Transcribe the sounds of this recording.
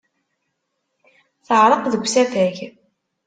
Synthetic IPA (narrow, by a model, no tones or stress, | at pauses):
θəʕɾˤəqðəɡʷːsæθæʝ